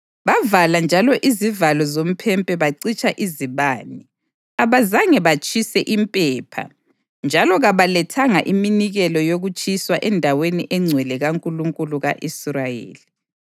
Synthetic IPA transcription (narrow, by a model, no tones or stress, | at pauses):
βavaland͡ʒʱalɔʔizivalɔzom̩pʰɛmpʼɛβaǀit͡ʃʼaʔiziβaːni | aβazaŋɛβat͡ʃʼisɛʔimpʼɛːpʰa̰ | nd͡ʒʱalɔɣaβalɛtʰaŋa̰ʔiminiɣɛlɔjoɣut͡ʃʼiswaʔɛndʱaweniʔɛŋ͡ǀʱwɛlɛɣaŋkʼuluŋkʼuluɣaʔisrajḛːli